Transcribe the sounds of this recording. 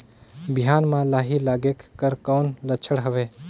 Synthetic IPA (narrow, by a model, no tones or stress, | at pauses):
bɪjaːnmãlaːɦilaːɡeːkːəɾkɔːnlət͡ʃʰəɽɦəʋeː